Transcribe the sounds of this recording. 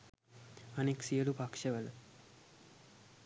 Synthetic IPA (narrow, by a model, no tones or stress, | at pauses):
əneksiəɽupakʃəʋəl